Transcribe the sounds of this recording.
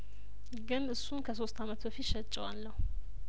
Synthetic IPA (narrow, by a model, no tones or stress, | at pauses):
ɡɨnɨsːunkʰəso̞st̪ʰamət̪bəfit̪ʃət͡ʃʼːɛwalːəhu